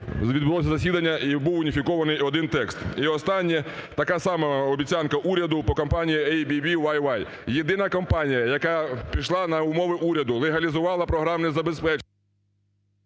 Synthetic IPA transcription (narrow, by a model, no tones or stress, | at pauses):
ʋʲid̪bʊlɔsʲɐzɐsʲid̪ɐnʲːɐʔibuwʊnʲifʲikɔʋɐnɪjɔd̪ɪnt̪ɛkst̪iɔst̪ɑnʲːit̪ɐkɑsɑmɛɔbʲit͡sʲankɐʔuɾʲɐd̪ʊpɔkɔmpɑnʲijiɛjbʲibʲiʋajʋaj | jed̪ɪnɐkɔmpɑnʲijɐjɐkapʲiʃlˠɑnɐʊmɔʋɪʔuɾʲɐd̪ʊlˠeɦɐlʲizʊʋɑlˠɐpɾɔɦɾɑmnɛzɐbespɛt͡ʃ